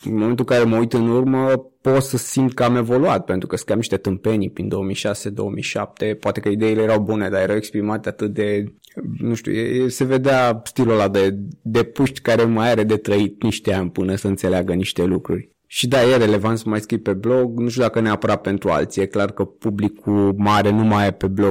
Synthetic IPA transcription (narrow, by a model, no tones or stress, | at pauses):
ɨmoment̪ulkaɾe̞məujt̪ɨnurməpo̞t̪səsimt̪̚kəame̞vo̞luat̪̚pent̪ɾukəsə̥kɾiamniʃt̪e̞t̪ɨmpe̞nipɾind̪o̞omijʃase̞d̪o̞̰omḭjʃa̰p̚t̪e̞poat̪e̞kəid̪ejilejeɾawbune̞d̪ajeɾawekspɾimat̪at̪ɨt̪̚d̪e̞ | nuʃt̪ʲṵjejese̞ve̞d̪east̪ilolad̪ed̪epuʃt̪ʲkaɾe̞majaɾed̪e̞t̪ɾəit̪̚niʃt̪eanʲpɨnəsəɨnt̪se̞leaɡəniʃt̪e̞lukɾṵrʲ | ʃid̪ajeɾe̞le̞vant̪səmajskɾipe̞blo̞ɡnuʃt̪ʲud̪akəneapəɾape̞nt̪ɾua̰lt̪sijeklarkəpublikʰumaɾe̞numajepe̞blo